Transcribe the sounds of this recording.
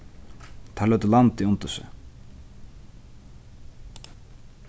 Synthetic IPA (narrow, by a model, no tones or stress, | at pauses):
t̪ʰalœt̪əlant̪iʊnt̪ʏsɪ̰